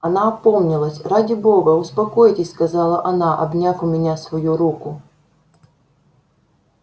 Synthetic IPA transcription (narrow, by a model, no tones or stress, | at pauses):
ɐnaɐpo̞mnʲɪlˠəsʲradʲɪbo̞ɡəʊspɐko̞jtʲɪsʲskɐzɑlˠəʔɐnaʔɐbnʲafʊmʲɪnʲasvɐjuɾukʊ